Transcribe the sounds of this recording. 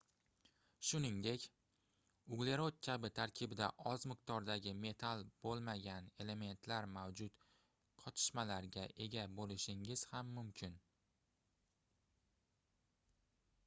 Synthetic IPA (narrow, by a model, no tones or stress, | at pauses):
ʃʊnɪŋd̪e̞kʲ | ʊɡle̞ɾot̪̚kʲʰabɪt̪ʰaɾkʲʰɪbɪd̪a̰ʔɒzmɪq̚t̪ɒɾd̪aɡʲɪme̞t̪ʰalˠb̥olˠmaɡʲane̞le̞me̞nt̪ʰlaɾmawd͡ʒʊt̪ | qʰɒt̪ʰɪ̥ʃmalaɾɡʲaʔe̞ɡʲabolɪʃɪŋɪz̥hamːʊmkʲʰɪn